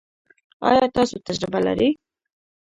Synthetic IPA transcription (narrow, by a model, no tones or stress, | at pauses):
ɑ̰ːjɑt̪ɑːsut̪ʰad͡ʒɾɪbala̰ɾi